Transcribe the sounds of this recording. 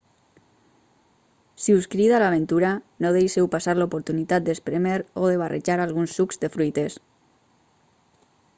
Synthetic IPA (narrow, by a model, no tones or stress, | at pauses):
siuskɾiðalaβ̞ent̪uɾa | noð̞ejʃewpasaɾlopoɾt̪unit̪at̪̚d̪espɾemeɾoðeβ̞arʔḛʒaɾalɣunsːukzd̪efɾujt̪es